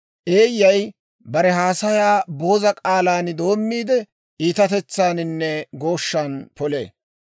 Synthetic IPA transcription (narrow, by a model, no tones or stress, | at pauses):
ʔe̞ːjːɐj | bɐɾɛɦaːsɐjaːbo̞ːzɐkʼaːlaːnd̪o̞ːmːiːd̪ɛ | ʔiːt̪ɐt̪ɛt͡sːaːnɪnːɛɡo̞ːʃːanpɔle̞̰ː